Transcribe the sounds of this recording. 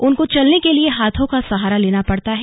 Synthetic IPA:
ʊnkot͡ʃɐlnekelieɦaːt̪ʰõkasɐɦaːɾaleːnapɐɽt̪aɦɛː

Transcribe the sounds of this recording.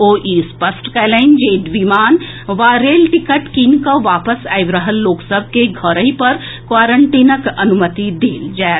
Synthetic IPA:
oːʔiːspəsʈkɛlẽɪnd͡ʒeːɖʋimaːn | ʋaːɾeːlʈɪkəʈkiːnkaʋaːpəsaːjʋɾəɦəlːoːksəbʱkeɡʱɐɾəɦipɐɾ | kʋaːɾəɳʈiːnəkɐnʊmət̪id̪eːld͡ʒaː

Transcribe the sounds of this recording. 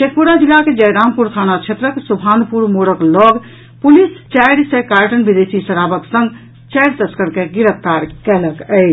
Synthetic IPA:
t͡ʃek̚puɾad͡ʒilːaked͡ʒəjɾampuɾt̪ʰanat͡ʃʰet̪ɾəksubʰʱanpuɾmoɽəklɔɡ | pulist͡ʃɛjɽsekaɾʈənbid̪esisəɾabəksə̃ŋɡ | t͡ʃɛɪɾt̪əskəɾkeɡiɾəp̚ʰt̪aɾkɛləkəɪt͡ʃʰ

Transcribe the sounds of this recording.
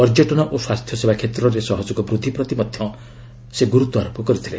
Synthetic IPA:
ɔɾd͡ʒeʈɔnɔʔoswast̪ʰjɔsebakʰet̪ɾɔɾesɔɦɔd͡ʒɔɡɔbɾud̪ʱipɾɔt̪imɔd̪ʱjɔ̃ | seɡuɾut̪ɔaɾopɔkɔɾit̪ʰile

